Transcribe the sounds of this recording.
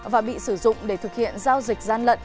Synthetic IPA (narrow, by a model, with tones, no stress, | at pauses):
vaː˨˩ɓḭ˧˨sɨ˧˩zʊ̰˧˨ŋ͡mɗe˧˩t̪ʰɨ˨˩k̚hḭ˧˨ənzaː˧wzi˨˩k̟̚zaː˧˩nlə̰˧˨n